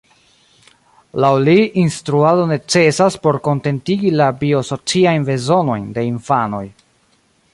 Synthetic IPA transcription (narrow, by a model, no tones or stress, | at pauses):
lawliʔinstɾuado̞ne̞t͡se̞saspo̞ɾko̞nte̞ntiɡilabio̞so̞t͡siajnve̞zo̞no̞jnde̞infano̞̰j